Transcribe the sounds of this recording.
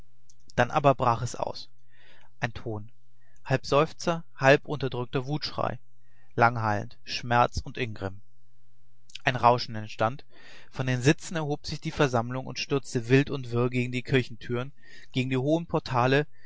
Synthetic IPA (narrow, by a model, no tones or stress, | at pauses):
d̥anʔa̰ːbɐbʁaːχɛsʔa̰ʊs | ʔaɪntʰoːn | halpz̥ɔʏft͡sɐ | halpʔʊntɐdʁʏk̚tɐvuːtʃʁ̥a̰ɪ | laŋɦaɪlə̰ntʃmɛɐt͡sʊntʔɪnɡʁɪm | ʔaɪnʁaʊʃn̩ɛntʃtant | fɔndeːnzɪt͡sn̩ɛɐɦoːpz̥ɪçd̥iːfɛɐzamlʊŋʊ̰ntʃtʏɐt͡stəvɪltʊntv̥ɪɐɡeːɡŋ̩diːkʰɪɐçn̩tʰyːʁən | ɡ̥eːɡŋ̩diːɦoːənpʰɔɐtʰaːlə